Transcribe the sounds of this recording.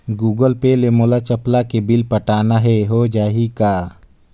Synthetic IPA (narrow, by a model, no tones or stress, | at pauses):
ɡuːɡəlpelemoːlat͡ʃəplakebɪlpəʈaːnaɦɛɦod͡ʒaːɦikaː